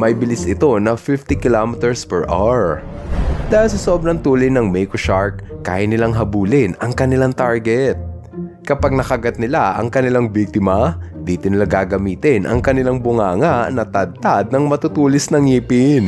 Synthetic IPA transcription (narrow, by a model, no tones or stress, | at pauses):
mɐjbɪlɪsɪt̪o̞nɐfɪft̪ɪkɪlomɛt̪ɛɹspɛɹʔa̰ɹ | d̪aːhɪlsɐsɐʔob̚nɐŋt̪uːlɪjnɐŋmɛjkoʃaɹkːa̰ːjɐnɪlaŋɦɐbuːlɪnɐŋkɐnɪlaŋt̪aɹɡɛt̪̚ | kɐpaɡ̚nɐkɐɡɐt̪̚nɪlaʔɐ̰ŋkɐnɪlaŋbik̚t̪ɪmɐd̪iːt̪onɪlaɡaːɡɐmiːt̪ɪnʔɐ̰ŋkɐnɪlaŋbʊŋaːŋaʔnɐt̪ɐd̪̚t̪ad̪̚nɐŋmɐt̪ʊt̪uːlɪsnɐŋiːpɪn